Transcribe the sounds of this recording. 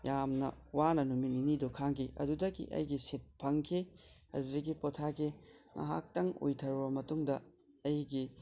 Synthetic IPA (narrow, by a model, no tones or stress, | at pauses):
jamnɐ̰wanɐnumininidokʰaŋkʰiʔɐ̰dudɐɡḭʔɐ̰jɡisit̚pʰɐŋkʰi | ɐ̰dudɐɡipotʰaɡiŋʔa̰ɦa̰k̚tɐŋo̰jtʰɐɾbɐmɐtuŋdɐː | jɡi